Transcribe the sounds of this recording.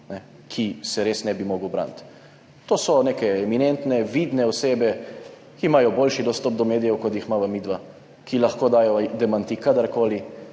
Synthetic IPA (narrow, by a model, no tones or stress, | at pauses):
nɛ | kʰisɛɾeːsnɛbimoɡəwbɾa̰ːnt̪ | t̪oːsɔneːkɛɛminɛnt̪nɛʋiːd̪nɛɔseːbɛ | kimaːjɔboːlʃid̪ɔst̪ɔb̚d̪ɔmeːd̪ijɛwkɔt̪jixmaʋamiːd̪ʋa | kʰilaxkoːd̪aːjɔd̪ɛmant̪ikad̪aɾkoːli